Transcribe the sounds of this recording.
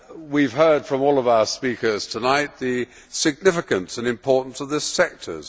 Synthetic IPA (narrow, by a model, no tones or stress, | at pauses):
wiv̥ɦɜ˞d̥fɹʌ̃mɔlˠʌvaʊəspikə˞z̥tʰənaɪt̪̚ðɨ | sɨɡ̚nɪfɨkɨ̃nsɨ̃nɨ̃mpʰɔɹʔn̩sʌvðɪsɛk̚tʰə̰˞z̥